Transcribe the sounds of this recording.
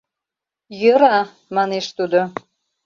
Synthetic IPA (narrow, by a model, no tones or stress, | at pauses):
jəɾɑ | mɑneʃt̪ud̪o